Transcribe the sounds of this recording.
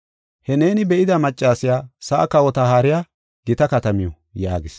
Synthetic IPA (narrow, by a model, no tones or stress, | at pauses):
hɛne̞ːnɪbɛʔɪd̪ɐmɐt͡ʃʼːaːsɪjaːsɐʔɐ̰kɐwɔt̪ɐhaːɾɪjaː | ɡɪt̪ɐkɐt̪ɐmɪjɔ | jaːɡɪs